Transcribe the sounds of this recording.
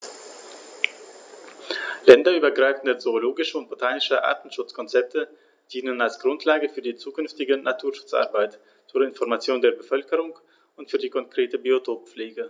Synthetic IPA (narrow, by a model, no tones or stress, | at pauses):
lɛndɐʔyːbɐɡʁaɪfn̩dət͡soːloːɡɪʃəʊnt̚b̥otʰaːnɪʃəʔa̰ːɐtn̩ʃʊt͡skʰɔnt͡sɛp̚tʰə | d̥iːnənalsɡ̥ʁʊntʰlaːɡəfyːɐdiːt͡suːkʏnftɪɡənʔatʰuːɐʃʊ̥t͡sʔa̰ʁbaɪt | t͡suːɐɪnfɔʁmat͡sjoːndeːɐbəfœlkəʁ̞ʊŋ | ʊntfyːɐdiːkʰɔnkʁ̥eːtəbiotʰoːp̚p͡fleːɡə